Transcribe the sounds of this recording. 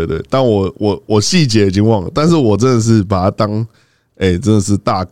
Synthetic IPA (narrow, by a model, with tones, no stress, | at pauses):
e˥˩ɪt̪we˥˩ɪt̪a˥˩nwɔ˨˩wʔɔ˨˩wɔ˨˩ɕi˥˩t͡ɕjɛ˨˥i˨˩t͡ɕi˥˦ŋwɑ˥˩ŋlə̰˩t̪a˥˧ns̬ɻ̩˥˩wɔ˨˩ʈ͡ʂə˦nd̪ə˨ʂ̬ɻ̩˥˩p̬a˨˩t̪a˥t̪ɑ˥ŋ | e˥˩ɪʈ͡ʂə˥nd̪ə˨˩ʂ̬ɻ̩˥˧˨t̪a˥˧k